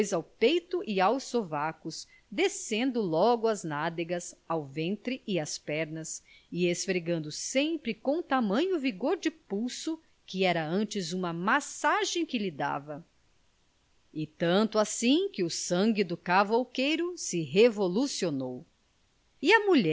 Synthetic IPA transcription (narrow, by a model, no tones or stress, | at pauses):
ojzawpejt̪ʊʔɪawsovakʊs | d̪esẽnd̪ʊlɔɡʊɐznad̪eɡɐzawvẽnt̪ɾɪʔɪɐspɛɾnɐs | ɪesfɾeɡɐ̃nd̪ʊsẽmpɾɪkõt̪amɐ̃ɲʊviɡoɾd͡ʒɪpuwsʊ | kɪɛɾɐɐ̃t͡ʃɪzũmɐmasaʒẽj̃kɪlid̪a̰vɐ | ɪt̪ɐ̃nt̪ʊasĩkɪʊsɐ̃ŋɡɪd̪ʊkavowkejɾʊsɪɦevolusionow | ɪɐmuʎɛ